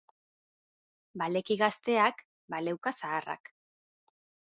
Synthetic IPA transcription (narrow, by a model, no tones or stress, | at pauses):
bale̞kiɣast̪e̞ak | bale̞wkasaːra̰k